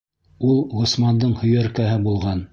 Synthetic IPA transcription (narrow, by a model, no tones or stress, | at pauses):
ulˠʁŏsmɑnd̪ɤɴhɵ̆jæɾkæɦɘbulˠʁɑn